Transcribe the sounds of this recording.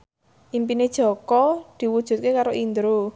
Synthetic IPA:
ʔimpined̥ʒ̥ɔ̤kɔd̪̥i̤wud̥ʒ̥ṳt̪̚kekaɾoʔind̪ɾu

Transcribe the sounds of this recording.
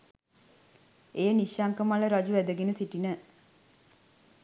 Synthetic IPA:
ejəniʃjaŋkəmaləɾad͡ʒuʋæd̪əɡenəsiʈinə

